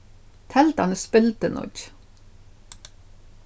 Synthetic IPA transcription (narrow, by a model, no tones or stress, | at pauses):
t̪ʰɛlt̪ɑ̰ɳəspɪlt̪ənɔ̰d͡ʒ